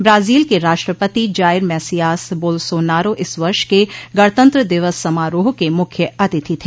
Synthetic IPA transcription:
bɾaːziːlkeɾaːʃʈɾəpət̪id͡ʒaːɪɾmɛːsijaːsboːlsoːnaːɾoʔɪsʋɐɾʃkeɡɐɽt̪ə̃nt̪ɾəd̪ɪʋəsːɐmaːɾoːɦkemʊkʰjəɐt̪ɪt̪ʰit̪ʰeː

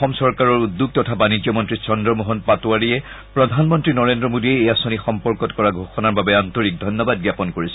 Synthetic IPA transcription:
ɔmsɔɹkaɹɔɹudːuɡ̚tɔtʰabanid͡ʒjɔmɔntɹisɔndɹɔmoɦɔnpatuaɹiɛ | pɹɔdʱanmɔntɹinɔɹendɹɔmodiɛejasonixɔmpɔɹkɔtkɔɹaɡʱoxɔnaɹbabɛantoɹik̚dʱɔjnːɔbad̚ɡjapɔnkoɹisɛ̥

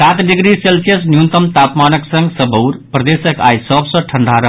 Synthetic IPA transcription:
sat̪ɖiɡɾiselsijəsnjunt̪əmt̪apmanəksə̃ŋɡsəbəwɾpɾəd̪esəka̰jsəbsə̃ʈʰəɳɖʱaɾə

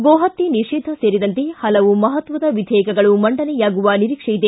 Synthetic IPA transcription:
ɡoːɦɐt̪ːiniʂiːd̪ʱɐseːɾid̪ɐnt̪ehɐlɐʋumɐɦɐt̪ʋɐd̪ɐʋid̪ʱɛːkɐɡɐɭumɐɳɖɐnɛjaːɡuʋɐniɾiːkʂɐjid̪e

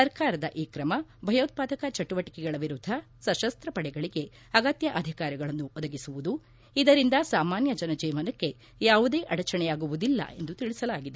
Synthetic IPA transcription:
sɐɾkaːɾɐd̪ɐʔiːkɾɐmɐbʱɐjɐːt̪̚paːd̪ɐkɐt͡ʃɐʈuʋɐʈi̥kɛɡɐɭɐʋiɾud̪ʱːɐ | sɐʃɐst̪ɾɐpɐɽɛɡɐɭiɡe̞ | ɐɡɐt̪jɐʔɐd̪ʱikaːɾjiɡɐɭɐnːuʔɔd̪ɐɡisuʋud̪u | id̪ɐɾind̪ɐsaːmaːnjɐd͡ʒɐnɐd͡ʒɛːmɐnɐkːe̞ | jaːʋud̪e̞ːʔɐɽɐt͡ʃɐɳɛjaːɡuʋud̪ilːɐ̰ʔe̞nd̪ut̪iɭisɐlaːɡid̪e

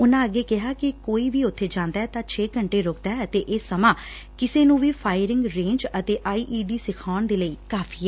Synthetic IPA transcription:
ʊnãːəɡːeːkɪɦaːkɪkoːiːʋiːʊt̪ʰːeːd͡ʒãːnd̪aːɛːt̪ãːt͡ʃʰeːkəɳʈeːɾʊːk̚d̪aːɛət̪eːʔɪːsəmãː | kɪseːnũːʋiːpʰaːɪɾɪŋɡɾẽːɲd͡ʒət̪eːʔaːiːʔiːɖiːsɪkʰaːɳd̪eːləiːkaːfʰiːɛː

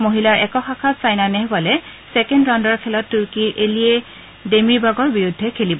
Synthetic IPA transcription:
moɦilaɹʔɛkɔxakʰatsajnanɛɦbalɛsɛkɛndɹɔndɔɹkʰɛlɔtːuɹkiʔelie | demiɹbaɡɔɹbiɹudʱːɛkʰelibɔ

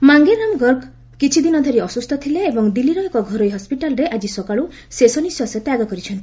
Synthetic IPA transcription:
maŋɡeɾamɡɔɾk | kit͡ʃʰid̪inɔd̪ʱɔɾiɔsust̪ʰɔt̪ʰileːbɔŋd̪iliɾɔjɔkɔɡʱɔɾojɦɔspiʈalɔɾeʔad͡ʒisɔkaɭu | sesɔniswasɔt̪jaɡɔkɔɾit͡ʃʰɔnt̪i

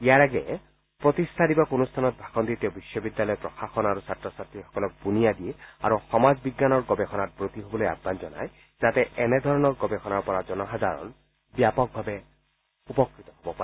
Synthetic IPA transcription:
ijaɹaɡɛ | pɹot̪ist̪ʰadibakonust̪ʰanɔt̪̚bʱaxɔnt̪it̪eʊbiʃːɔbid̪ːjalɔjpɹɔxaxɔnaɹusatɹɔsat̪ːixɔ̥kɔlɔk̚bunijad̪iea̰ɹuxɔmazbiɡːanɔɹɡɔbɛxɔnat̚bɹot̪iɦobɔloja̰bʱːanzɔna̰j | zat̪ɛɛnɛd̪ʱɔɹɔnɔɹɡɔbɛxɔnaɹpɔɹazɔnɔxad̪ʱaɹɔ̰n | bjapɔk̚bʱabɛ | upɔkːit̪ɔɦobɔpaɛ

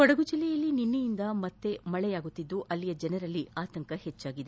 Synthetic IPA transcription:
kɔɽɐɡud͡ʒilːɛjɐlːininːijind̪ɐmɐt̪ːe̞mɐɭɛjaːɡut̪ːid̪ːuʔɐlːijɐd͡ʒɛnɐɾɐlːiaːt̪ɐŋkɐhet͡ʃːaːɡid̪e

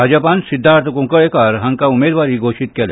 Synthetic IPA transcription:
bʱad͡ʑəpansid̪ʱːaɾt̪ʰəkũŋkəɭekaɾɦə̃ŋkaumed̪ʋaɾiːɡʱoʃit̪kel

